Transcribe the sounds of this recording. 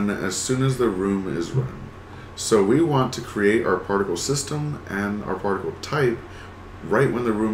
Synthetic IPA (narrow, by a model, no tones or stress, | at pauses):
nɨ̰z̥sʉ̃nɨzðɨɹũmɪ̰zɹʌ̰̃n | soʊwiwɑ̃ntʰɨkʰɹ̥ieɪɾʔa̰ʊə˞pʰɑɹɾɨkl̩ˠsɪstə̃mɨ̃na̰ʊə˞pʰɑɹɾɨkl̩ˠtʰaɪp̚ | ɹaɪʔ̚wə̃nðɨɹũ